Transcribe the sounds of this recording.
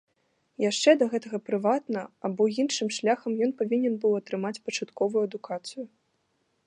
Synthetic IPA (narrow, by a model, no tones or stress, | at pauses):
jaʂt͡ʂɛd̪ɐɣɛt̪ɐɣɐpɾɨvat̪nɐabɔjinʂɨmʂlʲaxɐmjɔnpavʲinʲɛnbɨwɐt̪ɾɨmat͡sʲpɐt͡ʂat̪kɔvujuɐd̪ukat̪sɨjʊ